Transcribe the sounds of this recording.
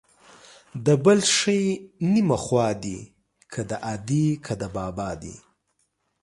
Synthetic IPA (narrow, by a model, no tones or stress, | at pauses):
d̪əbəlʃəjnimaxwɑːd̪i | kʰad̪əʔad̪ikʰad̪əbɑbɑːd̪ḭ